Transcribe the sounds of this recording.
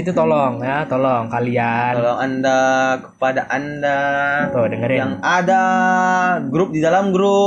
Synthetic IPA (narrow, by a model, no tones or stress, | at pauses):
it̪ut̪ɔlɔŋjat̪ɔlɔŋkalialɔŋandakə̥padaʔandat̪ʊdəŋərajaŋada | ɡɾʊp̚didalamɡɾʊ